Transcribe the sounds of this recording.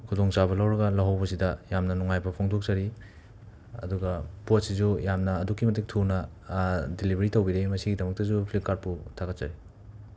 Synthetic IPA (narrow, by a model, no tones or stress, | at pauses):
kʰudoŋt͡ʃabɐlawɾɐɡɐlɐɦawbɐs̬idɐjamnɐnuŋajbɐpʰoŋdok̚zɐɾi | ɐ̰duɡɐpot̚sizujamnɐːdukːimɐtik̚tʰunɐ | dilibɐɾitowbiɾemɐsiɡidɐmɐk̚tɐzupʰlip̚kːaɾt̚putʰaɡɐt̚zɐɾi